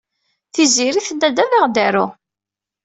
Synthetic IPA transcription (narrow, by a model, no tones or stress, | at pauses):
θiziɾiθənd̪æd̪æðaʁd̪æɾu